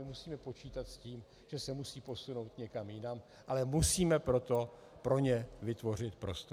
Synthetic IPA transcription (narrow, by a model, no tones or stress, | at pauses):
ɪmusiːmɛpo̞t͡ʃiːt̪at̪sciːm | ʒ̥ɛsɛmusiːpo̞suno̞wt̪ɲɛkamjɪnam | ʔalɛmusiːmɛpɾo̞t̪o̞ | pɾo̞ɲɛvɪt̪vo̞r̝ɪt̪pɾo̞st̪